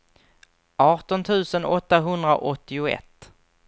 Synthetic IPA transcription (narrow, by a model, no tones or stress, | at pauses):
ʔɑːʈɔnt̪ʰʉ̟ːsənɔt̪ːaɦɵnd̪ɾa̰ʔɔt̪ːɪʊɛ̰t̪ː